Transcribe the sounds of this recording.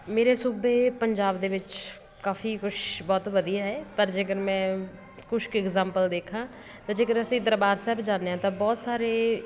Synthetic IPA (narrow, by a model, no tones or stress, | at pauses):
meːɾeːsuːbeːpəɲd͡ʒaːbd̪eːʋɪt͡ʃ | kaːfʰiːkʊʃbɔːt̪ʋəd̪ijaːɦɛːpəɾd͡ʒeːkəɾmɛ̃ː | kʊʃkɪɡzaːmpəld̪eːkʰãː | t̪ãːd͡ʒeːkəɾəsĩːd̪əɾbaːɾsɛːbd͡ʒaːneːɦãːt̪ãːbɔːt̪saːɾeː